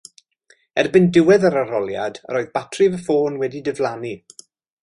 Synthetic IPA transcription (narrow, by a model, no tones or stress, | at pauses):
ɛrbɪndɪwɛðaɾaɾɔlˠja̰d̥ə̰ɾoːɨðbatʰrɪvəfoːnwɛdidəvlˠani